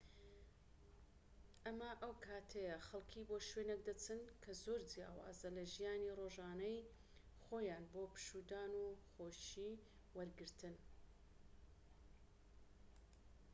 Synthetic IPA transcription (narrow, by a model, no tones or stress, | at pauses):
ʔɐmɐʔɐwkʰaːt̪ʰɐjɐxɐlˠkʰiboːʃweːnek̚d̪ɐt͡sʰɨnkʰɐzoːɾd͡zja̰ːwa̰ːzɐlɐʒijaːniroːʒaːnɐj | xoːjaːnbopɨ̥ʃuːd̪aːnuxoːʃi | wɐɾɡɨɾt̪ʰɨn